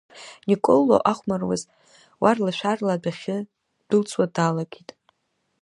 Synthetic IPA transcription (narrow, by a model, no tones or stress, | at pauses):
nikʼolo̰ʔaχʷmarwa̰z | warlaʃʷᶣarladaχʲɪ | d̥ɨlt͡sʰʼwadalaɡʲitʼ